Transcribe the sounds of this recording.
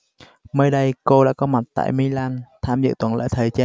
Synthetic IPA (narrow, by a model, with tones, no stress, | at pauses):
məː˧jɗə˧jko˧ɗa̰ː˧˥kɔ˧ma˨˩t̚t̪a̰ː˧˨jmi˧laː˧nt̪ʰaː˧mzɨ̰˧˨t̪wə˨˩nlə̰ː˧˥jt̪ʰəː˨˩jt͡ɕaː˧